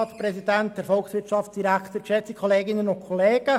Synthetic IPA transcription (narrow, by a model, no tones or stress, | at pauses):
ɑtprɛsidɛnt̚d̥ɛɾfɔlksʋɪɾtt͡ʃɑft͡sd̥iɾækʰt̪əkʃɛt͡sikʰɔleːɡɪnənʊnkʰɔleːɡ̥ə